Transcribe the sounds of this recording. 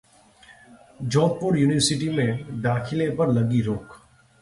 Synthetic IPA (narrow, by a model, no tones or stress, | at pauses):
d͡ʒɔ̃ːʈpʊɾjuːnɪʋəɾsɪʈimẽd̪aːkʰɪlepɐɾlɐɡiɾoːk